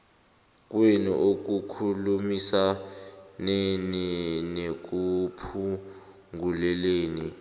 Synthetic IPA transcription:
k̬ʼwenḭʔok̬ukʰulumisa | nɛninek̬upʰu | ŋɡulɛleːni

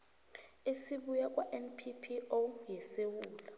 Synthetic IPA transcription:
esiɓujak̬ʼwaʔɛnpʰipʰiojɛsewuːla

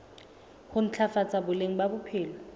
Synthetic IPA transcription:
hʊn̩t͡ɬʰafat͡sʼabʊleŋ̩babʊpʰɪːlɔ

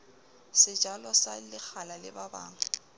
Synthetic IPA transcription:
sɪd͡ʒʱalɔsalɪk͡xʰalalɪ̰baba̰ːŋ̩

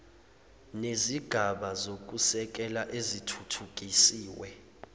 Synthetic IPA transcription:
neziɡ̥ʱaɓazok̬ʼusɛk̬ʼɛlaʔezitʰutʰuk̬ʼisiːwɛ

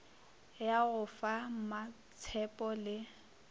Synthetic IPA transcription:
jaɣʊfama | t͡sʰɛpʼɔlɪ

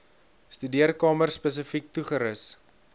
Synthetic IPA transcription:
stydiərkɑːmərspəs̬əfik̚tuχəɾəs

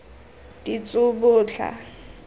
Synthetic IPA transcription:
dit͡sʼʊbʊːt͡ɬʰa̰

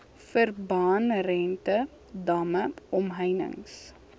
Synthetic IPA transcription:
fərbɑːnɾɛntə | dɐməɔmɦəjnə̰ŋs

